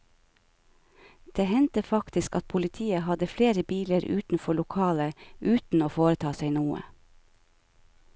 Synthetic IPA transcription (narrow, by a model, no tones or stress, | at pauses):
d̪̥eːhɛnt̪əfɑkt̪ɪskɑt̪̚pʰʊlɪt̪ʰiːəhɑd̪əfleːɾəbiːləɾʉ̰ːt̪n̩fɔɭʊkʰɑːləʔʉːt̪n̩oːfoːɾət̪ʰɑːseɪnuːə̰